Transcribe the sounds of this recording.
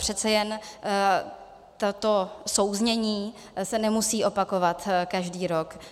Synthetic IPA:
pr̝̥ɛt̪t͡sɛjɛn | t̪at̪oso̞wzɲɛɲiː | sɛnɛmusiːʔo̞pako̞vat̪kaʒdiːɾok

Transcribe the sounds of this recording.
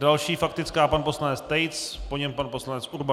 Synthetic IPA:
dalʃiːfakt̪ɪt͡skaːpanpo̞slanɛt͡st̪ɛjt͡spo̞ɲɛmpanpo̞slanɛt͡sʔuɾba

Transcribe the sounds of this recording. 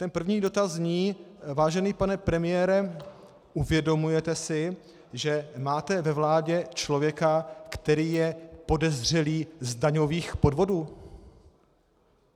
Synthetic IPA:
t̪ɛnpr̩vɲiːdo̞t̪azɲiːvaːʒɛniːpanɛpɾɛmɪjɛːɾɛ | ʔuvjɛdo̞mujɛt̪ɛsɪ | ʒɛmaːt̪ɛvɛvlaːɟɛt͡ʃlo̞vjɛkakt̪ɛɾiːjɛpo̞dɛzr̝ɛliːzdaɲo̞viːxpo̞dvo̞duː

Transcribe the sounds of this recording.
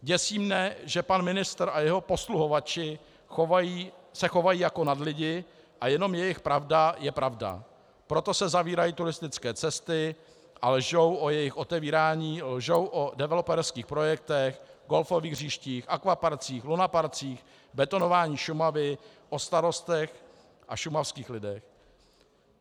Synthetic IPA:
ɟɛsiːmɲɛʒɛpanmɪnɪst̪ɾʔajɛɦo̞po̞sluɦo̞vat͡ʃɪ | xovajiːsɛxo̞vajiːjako̞nadlɪɟɪ | ʔajɛno̞mjɛjɪxpɾavdajɛpɾavda̰ | pɾo̞t̪o̞sɛzaviːɾajit̪uɾɪst̪ɪt͡skɛːt͡sɛst̪ɪ | ʔalɛʒo̞wʔojɛjɪxʔo̞t̪ɛviːɾaːɲiːlʒo̞wʔodɛvɛlo̞pɛɾskiːxpɾo̞jɛk̚t̪ɛxɡo̞lfo̞viːɣriːʃciːxʔakvapaɾt͡siːxlunapaɾt͡siːx | bɛt̪o̞no̞vaːɲiːʃumavɪ | ʔo̞st̪aɾo̞st̪ɛx | ʔaʃumafskiːxlɪdɛx

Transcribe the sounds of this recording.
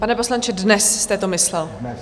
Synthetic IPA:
panɛpo̞slaɲt͡ʃɪdnɛsst̪ɛt̪omɪslɛl

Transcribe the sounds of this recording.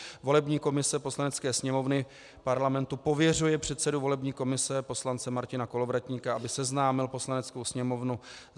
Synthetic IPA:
vo̞lɛbɲiːko̞mɪsɛpo̞slanɛt͡skɛːsɲɛmo̞vnɪ | paɾlamɛnt̪upo̞vjɛr̝ujɛpr̝̥ɛt̪sɛduvo̞lɛbɲiːko̞mɪsɛpo̞slant͡sɛmaɾcɪnako̞lo̞vɾat̪ɲiːkaʔabɪsɛznaːmɪlpo̞slanɛt͡sko̞wsɲɛmo̞vnu

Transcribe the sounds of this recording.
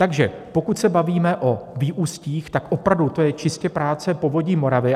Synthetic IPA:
t̪aɡʒɛ | po̞kut̪sɛbaviːmɛʔo̞viːʔuːsciːxt̪akʔo̞pɾavdut̪o̞jɛt͡ʃɪscɛpɾaːt͡sɛpo̞vo̞ɟiːmo̞ɾavɪ

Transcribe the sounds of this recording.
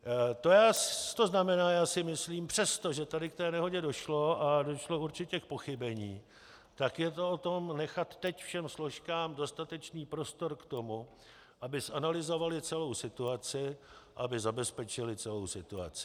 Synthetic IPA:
t̪o̞jaːt̪o̞znamɛnaːjaːsɪmɪsliːmpr̥ɛst̪o̞ʒɛt̪adɪkt̪ɛːnɛɦo̞ɟɛdo̞ʃlo̞ʔado̞ʃlo̞uɾt͡ʃɪcɛk̚po̞xɪbɛɲiː | t̪akjɛt̪o̞ot̪o̞mnɛxat̪ːɛcfʃɛmslo̞ʃkaːmdo̞st̪at̪ɛt͡ʃniːpɾo̞st̪o̞ɾkt̪o̞mu | ʔabɪsʔanalɪzo̞valɪt͡sɛlo̞wsɪt̪uat͡sɪaabɪzabɛspɛt͡ʃɪlɪt͡sɛlo̞wsɪt̪ua̰t͡sɪ̥

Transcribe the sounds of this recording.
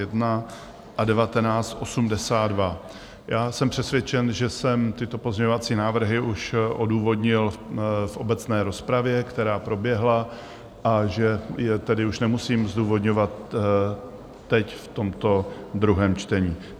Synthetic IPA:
ɛdna | ʔadɛvat̪ɛnaːt͡st̪ʔo̞sumdɛsaːdva | jaːsɛmpr̝̥ɛsvjɛt͡ʃɛnʒɛsɛmt̪ɪt̪o̞po̞zɲɛɲovat͡siːnaːvr̩ɦɪʔuʃʔo̞duːvo̞dɲɪlfʔo̞bɛt͡snɛːɾo̞spɾavjɛkt̪ɛɾaːpɾo̞bjɛɦla | ʔaʒɛjɛt̪ɛdɪuʃnɛmusiːmzduːvo̞dɲo̞vat̪ | ɛcft̪o̞mt̪o̞ | d̪ɾuɦɛːmt͡ʃt̪ɛɲiː

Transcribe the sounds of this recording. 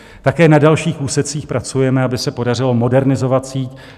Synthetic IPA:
t̪akɛːnadalʃiːxuːsɛt͡siːxpɾat͡sujɛmɛabɪsɛpo̞dar̝ɪlo̞mo̞dɛɾnɪzo̞vat̪siːt

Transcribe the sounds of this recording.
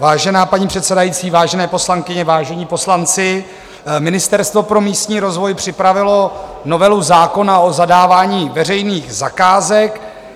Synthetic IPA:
vaːʒɛnaːpaɲiːpr̝̥ɛt̪sɛdajiːt͡siːvaːʒɛnɛːpo̞slaŋkɪɲɛvaːʒɛɲiːpo̞slant͡sɪ | mɪnɪst̪ɛɾst̪vo̞pɾo̞miːst̪ɲiːɾo̞zvo̞jpr̝̥ɪpɾavɪlo̞ | no̞vɛluzaːko̞naozadaːvaːɲiːvɛrɛjniːɣzakaːzɛk

